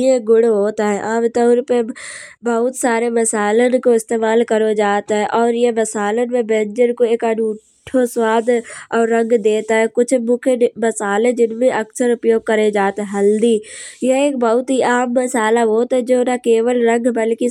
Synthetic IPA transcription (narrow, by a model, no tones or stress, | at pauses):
eɡʊɽɦoːt̪aɦɛʔaːmt̪əʊɾpe | bɐɦʊt̪saːɾemɐsaːlenkoɪst̪eːmaːlkɐɾod͡ʒaːt̪ɦɛʔɔːɾjemɐsaːlemẽbẽːɲd͡ʒəɾkoeːkɐnuː | ʈʰoswaːd̪ʱɔːɾːɐ̃ŋɡd̪eːt̪aɦɛkʊt͡ʃʰmʊkʰenmɐsaːled͡ʒɪnmẽʔɐksəɾʊpjoːɡ̚kɐɾed͡ʒaːt̪ɦɛ̃ɦɐld̪ijeeːk̚bɐɦʊt̪ɦiʔaːmːɐsaːlaɦoːt̪ɦɛd͡ʒoːnakeːʋəlɾɐ̃ŋɡʱbɐlki